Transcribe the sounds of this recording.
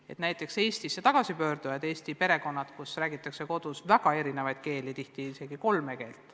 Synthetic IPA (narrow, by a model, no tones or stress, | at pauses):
e̞̰t̪næjt̪ːˑe̞kse̞ːst̪isːet̪ɑɡ̥ɑsipø̞ːɾd̪̥ujɑd̪e̞ːst̪ipe̞ɾe̞ko̞nːɑt̪kusræːɡ̥it̪ːˑɑkse̞ko̞d̪̥usvæɡ̥ɑe̞ɾine̞vɑjd̪̥̚ke̞ːlit̪iht̪iise̞ɡ̥iko̞lme̞ke̞ːlt̪ːˑ